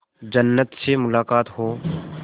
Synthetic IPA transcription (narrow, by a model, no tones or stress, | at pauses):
d͡ʒɐnːət̪semʊlaːkaːt̪ɦoː